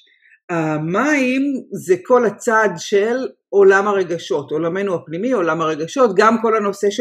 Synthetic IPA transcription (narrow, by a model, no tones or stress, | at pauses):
amaimzekʰo̞lat͡sad̪ʃel | o̞lamaʁe̞ɡaʃo̞to̞lame̞nuapnimio̞lamhaʁe̞ɡaʃo̞t̪ɡamko̞lano̞se̞ʃ